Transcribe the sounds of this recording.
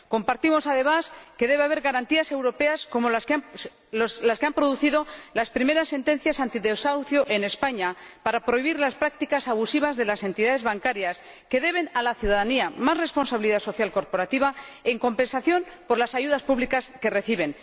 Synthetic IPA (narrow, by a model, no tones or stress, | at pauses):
ko̞mpaɾt̪imo̞saðe̞maske̞ðe̞βeaβeɾɣaɾant̪iase̞wɾo̞pe̞asko̞moa | olaskeampɾo̞ðuθiðo̞laspɾime̞ɾasːe̞nt̪e̞n̟θjasant̪iðeosawθjoʔe̞ne̞spaɲapaɾapɾo̞iβiɾlaspɾak̚t̪ikasaβ̞usiβ̞azðe̞lase̞nt̪iðaðe̞zβaŋkaɾjas | ke̞ðe̞β̞e̞nalaθjuðaðaniamaszre̞spo̞nsaβiliðaso̞θjalko̞ɾpo̞ɾat̪iβae̞ŋko̞mpe̞nsaθjo̞mpo̞ɾlasaʝuð̞aspuβlikaske̞reθiβ̞e̞n